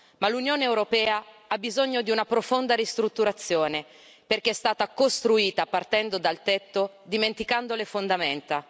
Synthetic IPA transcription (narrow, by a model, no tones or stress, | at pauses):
malunjoːneːwɾopɛːaabːizoɲːod̪iunapɾofond̪aɾist̪ɾut̪ːuɾat̪sːjoːne | perk̟eɛst̪aːt̪akost̪ɾuiːt̪apart̪ɛnd̪od̪alt̪ɛt̪ːo | d̪iment̪ikand̪olefond̪amɛnt̪a